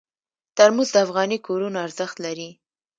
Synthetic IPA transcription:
t̪aɾmuzd̪əafɣɑnikoɾunoaɾz̥əxt̪laɾi

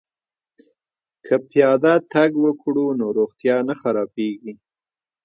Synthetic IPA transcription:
kʰəpjɑd̪at̪aɡwəkɽunoɾoɣt̪jɑnaxaɾɑpeɡi

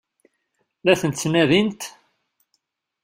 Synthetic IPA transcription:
læθənt̪snæðint̪

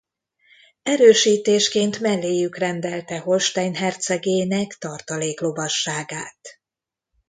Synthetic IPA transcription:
ɛɾøːʃiːt̪eːʃkeːnt̪mɛlːeːjykrɛnd̪ɛlt̪ɛho̞lʃt̪aːnɦɛrt̪sɛɡeːnɛkt̪ɒrt̪ɒleːklo̞bɒʃːaːɡaːt̪

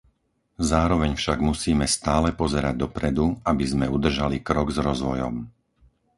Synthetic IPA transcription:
zaːɾɔʋɛɲfʃaɡmusiːmɛst̪aːlɛpɔzɛɾaɟ̚d̪ɔpɾɛd̪uabizmɛud̪r̩ʒalikɾɔɡzɾɔzʋɔjɔ̰m

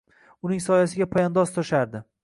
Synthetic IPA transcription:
ʊnɪŋsɒjasɪɡʲapʰajand̪ɒst̪ʰɒʃaɾd̪ɪ

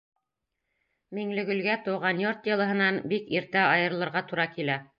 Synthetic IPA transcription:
miŋlɘ̆ɡɵ̆lɡæt̪ɤ̆wʁɑnjoɾt̪jɤ̆lˠɤ̆ɦɤ̆nɑnbikiɾt̪æɑjɤ̆ɾ̆lˠɤ̆ɾʁɑt̪uɾɑkilæ

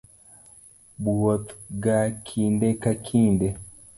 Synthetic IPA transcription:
buwɔt̪ɡakʰindɛkakʰindɛ

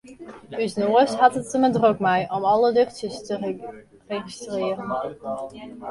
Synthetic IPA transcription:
dysnoəsɦatətːəmədrokmɛjʔɔmɔlˠədøχtjəstə | reχistrɪːərən

